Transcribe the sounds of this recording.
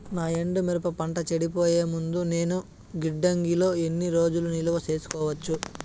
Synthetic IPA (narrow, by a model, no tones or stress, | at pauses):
naːeɳɖumeɾɐpɐpɐɳʈɐt͡ʃeɽipoːjeːmund̪une̞ːnu | ɡiɖːɐŋɡilo̞ːe̞nːiɾo̞ːd͡ʒulunilɐʋɐse̞ːsu̥kɔːʋɐt͡ʃːu